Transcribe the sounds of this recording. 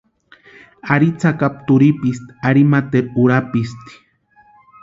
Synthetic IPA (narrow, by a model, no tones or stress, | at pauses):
aɾit͡sakap̚t̪uɾipist̪iaɾimat̪eɾuɾapist̪i̥